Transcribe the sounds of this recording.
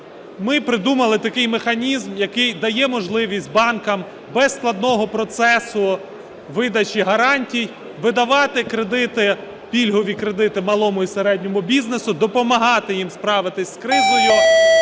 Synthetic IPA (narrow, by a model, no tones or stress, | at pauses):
mɪpɾɪd̪umɐlˠɪt̪ɐkɪjmexɐnʲizmjɐkɪjd̪ɐjɛmɔʒlˠɪʋʲisʲtʲbɑnkɐm | bɛsklˠɐd̪̚nɔɦɔpɾɔt̪sɛsʊ | ʋɪd̪ɐt͡ʃiɦɐɾɑnʲtʲij | ʋɪd̪ɐʋɑt̪ɪkɾed̪ɪt̪ɪ | pʲilʲɦɔʋʲikɾed̪ɪt̪ɪmɐlˠɔmʊiseɾɛdʲnʲɔmʊbʲiznesʊd̪ɔpɔmɐɦɑt̪ɪjimspɾɑʋɪt̪ɪsʲskɾɪzɔjʊ